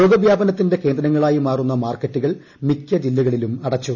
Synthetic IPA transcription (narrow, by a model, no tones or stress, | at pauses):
oːɡɐʋjaːbɐnɐt̪ːinde̞ke̞ːnd̪ɾɐŋːɐɭaːjimaːrunːɐmaːrkːɐtːuɣɐɭ | mikʲːɐd͡ʑilːɐɣɐɭilumɐɽɐt͡ɕːu